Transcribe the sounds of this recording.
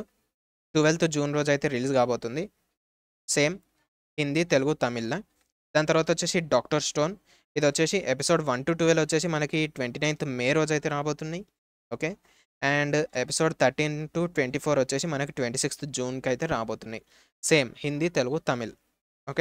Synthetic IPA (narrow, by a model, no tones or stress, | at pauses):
ʈuʋelt̪ʰd͡ʒuːnɾo̞ːd͡ʒɐjt̪e̞ːɾiliːzkaːbo̞ːt̪und̪i | seːm | hind̪it̪e̞luɡut̪ɐmilːɐ | d̪aːnɐt̪ɐɾʋaːt̪ɐot͡ʃːe̞ːsiɖaːkʈɐɾsʈo̞ːn | id̪ʋot͡ʃːe̞ːsiʔepiso̞ːɖʋɐnʈuʈuʋelot͡ʃːe̞ːs̬imɐnɐkiʈʋe̞ɳʈinɐjnt̪meːɾoːd͡ʒɐjt̪e̞ːɾaːbo̞ːt̪unːaj | oːkeː | aːɳɖepi̥so̞ːɖt̪ʰɐɾʈiːnʈuʈʋe̞ɳʈiːpʰoːɾot͡ʃːe̞ːsimɐnɐki̥ʈʋe̞ɳʈiːsikst̪d͡ʒuːnkɐjt̪e̞ːɾaːboːt̪unːaji | seːmhind̪it̪e̞luɡut̪ɐmil | oːke